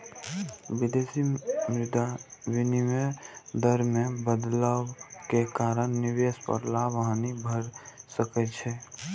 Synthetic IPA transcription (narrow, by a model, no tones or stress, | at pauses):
bid̪esimɾɪd̪awinimed̪əɾmebəd̪ləbkekaɾənːiʋespə̰ɾlabəɦãnibʱəɾsəkɛt͡ʃʰɛ